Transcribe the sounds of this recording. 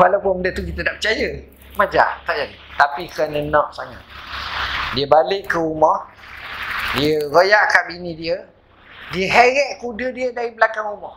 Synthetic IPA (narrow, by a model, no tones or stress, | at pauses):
walawpʊnməndət̪ukit̪ədaʔpət͡ʃajə | mad͡ʒa̰ʔt̪aʔd͡ʒadit̪apikəanənɔʔsaŋa̰t̪̚ | diəbalɪʔkːəumɔh | diəɾojaʔkabinidiə | diəɦɛɾɛʔ̚kudədiədaɾibəlakaŋumɔh